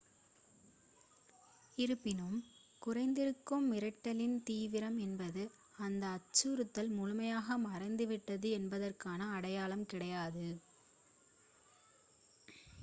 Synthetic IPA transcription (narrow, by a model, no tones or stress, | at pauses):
ɪɾɯpːɪnɯm | kʊrɐɪnd̪ɪɾɯkːɯmːɪɾɐʈːɐlɪnt̪iːʋɪɾɐmɛnbɐðɯ | ɐnd̪ɐːt͡ʃːuɾɯt̪ːɐlmʊɻʊmɐjaːɣɐmɐrɐɪnd̪ɯʋɪʈːɐðɯɛnbɐðɐrkaːnɐːɽɐjaːlɐmkɪɽɐjaːðɯ